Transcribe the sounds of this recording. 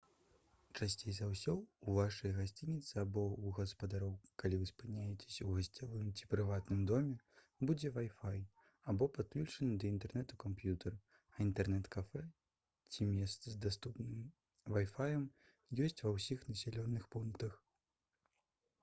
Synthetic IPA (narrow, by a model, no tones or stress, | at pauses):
t͡ʂasʲt͡sʲejzawsʲɔwuvaʂɐjɐɣasʲt͡sʲinʲit̪sɨabɔuɣɐspɐd̪aɾɔwkalʲivɨspɨnʲajɛt͡sʲe̥sʲɐwɣɐsʲt͡sʲavɨmt͡sʲi̥pɾɨvat̪nɨmd̪ɔmʲɛ | bud͡zʲɛvajfaj | abɔpat̪̚klʲut͡ʂɐnɨd̪ɐint̪ɛrnɛt̪ukampjut̪ɛr | ɐint̪ɛrnɛt̪kafɛ | t͡sʲimʲɛst̪sɨzd̪ast̪upnɨm | vajfajɐm | jɔsʲt͡sʲvɐwsʲixnɐsʲɛlʲɔnːɨxpunkt̪ɐx